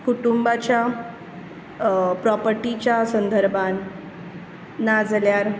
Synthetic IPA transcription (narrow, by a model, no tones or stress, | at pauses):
kuʈumbat͡ɕja | pɾɔpəɾʈit͡ɕjasənd̪ʱəɾbʱan | ad͡zljaɾ